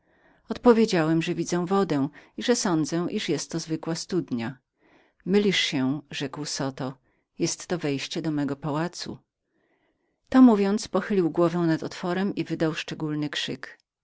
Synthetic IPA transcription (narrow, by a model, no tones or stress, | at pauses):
ɔt̪pɔvʲjed͡ʑawɛmʐɛvʲid̪zɛ̃w̃vɔd̪ɛw̃iʐɛsɔnd̪zɛw̃ʔiʂjɛst̪ːɔzvɘkwast̪ud̪ɲa | mɘlʲiʂɕɛʐɛkwsɔt̪ɔ | jɛst̪ːɔvɛjɕt͡ɕɛd̪ɔmɛɡɔpawat̪sṵ | t̪ɔmuvʲjɔnt̪spɔxɘlʲiwɡwɔvɛw̃nat̪ɔt̪fɔɾɛmivɘd̪awʂt͡ʂɛɡulnɘkʂɘk